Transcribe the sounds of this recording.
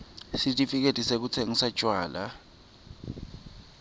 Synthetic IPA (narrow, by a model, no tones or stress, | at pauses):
sitʼifik̬etʼisek̬ut͡sʰeŋisat͡ʃʼwaːla̰